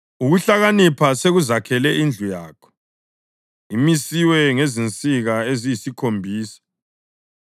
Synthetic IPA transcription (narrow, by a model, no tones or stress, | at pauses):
uɣuɬaɣanipʰaseɣuzakʰɛlɛind͡ɮʱujaːkʰɔ̥ | imisiwɛŋezint͡sʼiɣaezijisikʰombʱiːsḁ